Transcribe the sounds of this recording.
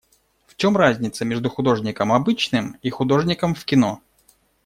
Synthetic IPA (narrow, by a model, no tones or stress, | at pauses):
ft͡ɕo̞mrazʲnʲɪt̪səmʲeʐd̪ʊxʊd̪o̞ʐnʲɪkəmɐbɨt͡ɕnɨmixʊd̪oʐnʲɪkəmfkʲɪno